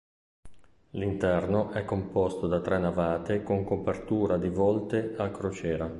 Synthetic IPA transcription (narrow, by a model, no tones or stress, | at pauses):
lint̪ɛrnoʔɛkːompɔst̪od̪at̪ɾɛnːavaːt̪ekoŋkopert̪uːɾad̪ivɔlt̪eakɾot͡ʃɛːɾa